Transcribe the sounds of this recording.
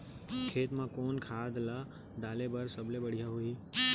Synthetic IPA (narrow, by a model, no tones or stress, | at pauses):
kʰeːt̪mãkoːnkʰaːd̪la | d̪aːlebəɾsəblebəɽ̤ijaɦui